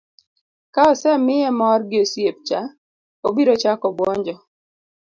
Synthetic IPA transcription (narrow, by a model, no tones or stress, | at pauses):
kaɔsɛmɪjɛmɔrɡɪosjep̚t͡ʃa | obiɾot͡ʃakɔbwɔɲd͡ʒɔ